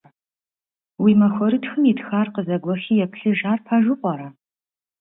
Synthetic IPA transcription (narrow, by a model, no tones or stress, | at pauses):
wiːmɐxʷɔɾɨtxɨmitxaːrqəzɐɡʷɔxiːjɛpʰɬɨʒaːrpʰɐʒɨqʷʼɔɾɐ